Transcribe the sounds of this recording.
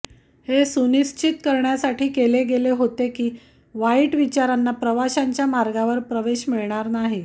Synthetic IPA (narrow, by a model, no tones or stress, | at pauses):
hesuniɕt͡ɕit̪kəɾɳjasaʈʰiːkeleɡeleɦot̪ekiː | ʋaiʈʋit͡ɕaɾanːapɾəʋaɕaɲt͡ɕjamaɾɡaʋəɾpɾəʋeɕmiɭɳ̃aɾnaɦi